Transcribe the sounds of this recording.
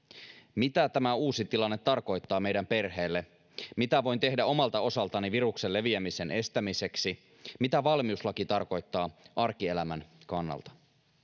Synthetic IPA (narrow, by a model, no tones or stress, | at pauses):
mit̪æt̪æmæuːsit̪ilɑnːet̪ːɑrko̞jt̪ːɑːme̞jdæmpe̞rɦe̞ːlːe | mit̪æʋo̞jnt̪e̞hdæo̞mɑlt̪ɑo̞sɑlt̪ɑniʋirukse̞lːe̞ʋiæmise̞nʔe̞st̪æmise̞ksi | mit̪æʋɑlmiuslɑkit̪ɑrko̞jt̪ːɑːʔɑrkielæmænkɑnːɑ̰lt̪ɑ̥